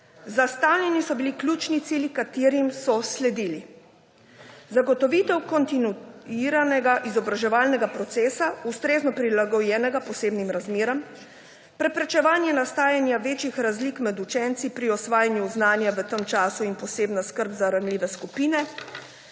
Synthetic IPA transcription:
zast̪awnʲɛnisɔbiliklʲjuːt͡ʃnit̪siːljikat̪eːɾimsɔslɛd̪iːli | zaɡɔt̪ɔʋiːt̪ɛwkɔnt̪inuiːɾanɛɡaʔizɔbɾaʒɛʋaːlnɛɡapɾɔt̪seːsaust̪ɾeːznɔpɾilaɡɔjɛːnɛɡapɔseːbnimɾazmeːɾɔm | pɾɛpɾɛt͡ʃɛʋaːnjɛnast̪aːjanjaʋeːt͡ʃixɾazliːkmɛd̪ut͡ʃɛnt̪sipɾiɔsʋaːjanjuznaːnjaʋət̪əmt͡ʃaːsuinpɔseːbnaskəɾbzaɾanliːʋɛskupiːnɛ

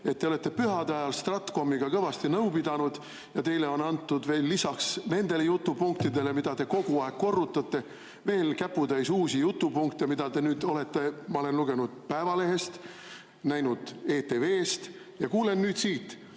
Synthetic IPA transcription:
e̞t̪̚ːe̞o̞le̞t̪ːe̞pyɦɑd̪ɑjɑlst̪rɑt̪ˑko̞mːiɡ̥ɑkɤvɑst̪inɤwpid̪̥ɑnud̪̥ | jɑt̪e̞jle̞o̞nɑnt̪ːud̪ve̞ːlːisɑksne̞nd̪̥e̞lejut̪ːˑupuŋk̚t̪id̪e̞le̞mid̪̥ɑt̪e̞ko̞ɡ̥uɑe̞ɡ̥̚ko̞rːut̪ːˑɑt̪ːe̞ | ve̞ːlkæpːud̪ɑjsuːsijut̪ːˑupuŋkt̪emid̪̥ɑd̪e̞nyːd̪̥o̞le̞t̪ːe̞mɑo̞le̞nluɡ̥e̞nud̪̥̚pæevɑle̞ɦe̞st̪ | næjnud̪̥e̞ːt̪e̞ve̞ːst̪ | jɑkuːle̞nːyːd̪̥siːt̪ː

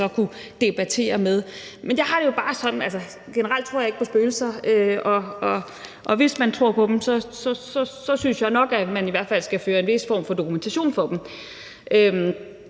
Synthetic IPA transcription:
ɒ̽kʰu | d̥e̝b̥æt͡sʰe̝̰ːɐmeð̞ˠmenjɑ̈ɪɑ̈ɾ̥e̝jo̝b̥ɑ̈ːsɒ̽d̥n̩ælsɐ | ɡ̥enəɐʁal̰d̥̚t͡sʰʁo̰jeɡ̥̚pʰɒ̽sb̥øːl̩sɐøɒ̽ʔɒ̽ | ʔɒ̽ʋe̝smænt͡sʰʁo̝ɐ̰pʰɒ̽d̥em̩sɒ̽sɒ̽sɒ̽sɒ̽synsjɑ̈ɪnɒ̽ɡ̥æmæniʋæɐ̰d̥fæl̰sɡ̥æføːɐe̝nʋe̝sfɒ̰ːmfɒ̽d̥o̝kument͡sʰæɕo̝̰ːnfɒ̽d̥m̩ | ʔøm

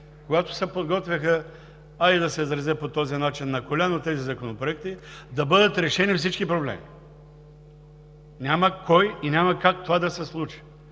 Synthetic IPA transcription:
koɡat̪ʊ̥sɛpod̪ɡɔt̪vʲɐxə | ɐid̪ɐsɛzɾɐzɛpot̪ɔzinat͡ʃinːɐkolʲanot̪ɛzizɐkonopɾoɛk̚t̪id̪ɐbɤd̪ɐt̪ɾɛʃɛnifsit͡ʃkipɾoblɛ̰mḭ | nʲamɐkɔjinʲamɐkakt̪ovad̪ɐsɛslˠut͡ʃi̥

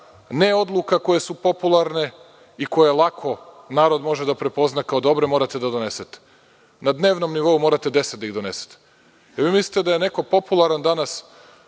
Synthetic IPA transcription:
neo̞d̪lˠuːkako̞je̞supo̞pulˠaɾne̞ | iko̞jelˠakʰo̞ | naːɾo̞d̪mo̞ʒed̪apɾe̞po̞znakaod̪o̞bɾe̞moɾat̪e̞d̪ad̪one̞set̪e̥ | nad̪ne̞ːʋno̞mniʋo̞umo̞ːɾat̪ed̪eset̪d̪aiɣd̪o̞ne̞se̥t̪e̥ | eɾʋiːmislit̪ed̪aje̞neko̞po̞pulˠaɾand̪anas

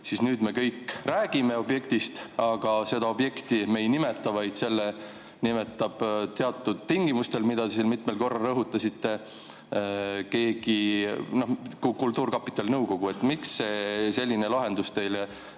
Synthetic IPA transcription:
sisnyːd̪me̞kɤjkːræːɡ̥ime̞o̞bje̞kt̪ist̪ɑɡ̥ɑse̞d̪̥ɑo̞bje̞kt̪ime̞jnime̞t̪ːˑɑvɑjd̪̥se̞lːe | nime̞t̪ːˑɑb̥t̪e̞ɑt̪ːˑud̪̥̚t̪iŋɡimust̪e̞lmid̪̥ɑd̪esilmit̪melko̞rːɑlrɤɦut̪ːˑɑsit̪ːe̞ | ke̞ːɡ̥ino̞kukult̪ːˑuːrkɑpːi̥t̪ːˑɑlnɤwko̞ɡ̥ue̞t̪ːmiksːe̞se̞lʲːine̞lɑɦe̞nd̪ust̪e̞jle

